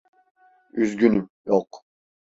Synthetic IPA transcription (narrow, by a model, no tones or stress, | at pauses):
yzɡʲynyjɔq